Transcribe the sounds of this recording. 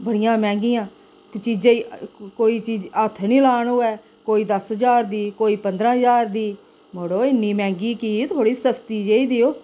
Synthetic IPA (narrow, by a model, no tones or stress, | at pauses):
bəɽɪjãːmɛ̃ːŋɡiːjãː | t͡ʃiːd͡ʒãːikoːiːt͡ʃiːd͡ʒət̪ʰːniːlaːnoːɛː | koːiːd̪əsɦəd͡ʒaːɾd̪iːkoːiːpənd̪ɾãːɦəzaːɾd̪iː | moːɽoːɪnːiːmɛ̃ːŋɡiːkiːt̪ʰoːɽiːsəst̪iːd͡ʒeːiːd̪iːoː